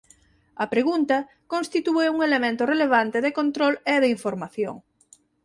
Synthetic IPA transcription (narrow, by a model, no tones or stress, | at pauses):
ɐpɾeɣunt̪ɐ | kõnst̪it̪ueuŋelemẽnt̪ʊreleβ̞ant̪ɪðekont̪ɾoleðeiɱfoɾmaθjo̰ŋ